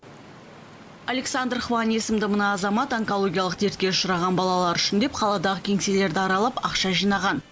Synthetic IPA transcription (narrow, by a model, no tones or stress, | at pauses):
alʲeksand̪rχuɑnisəmd̪ɪmənɑːzɑmɑt̪ɑŋkolˠo̞ɡʲijɑlˠəqt̪ʰe̞ɾt̪̚kʲe̞ʊʃʊɾɑʁɑnbɑlˠɑlˠɑɾʏʃɪnd̪e̞pqʰɑlˠɑd̪ɑʁəkʲʰe̞ŋse̞le̞ɾd̪ɪɑɾɑlˠɑpɑqʃɑʒijnɑʁɑn